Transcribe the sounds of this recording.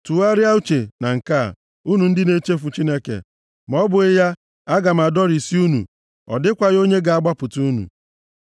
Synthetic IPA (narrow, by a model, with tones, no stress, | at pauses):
tu˨a˦ɾja˦u˦t͡ʃe˨na˨ŋ̩˨ka̰˦˨ | u˦nu˨n̩˦dɪ˦ne˦t͡ʃe˦f̬u˨t͡ʃi˦ne˦kḛ˨ | m˨ɔ˦bʊ˨ɪ˦ja˦ | a˦ɡa˨m̩˨a˨dɔ˦ɾi˨si˦u˦nṵ˨ | ɔ̰˨dɪ˦kʷa˨jo˦ɲe˦ɡa˨a˦ɡ͡ba˦pʊ˨tu˦nṵ˨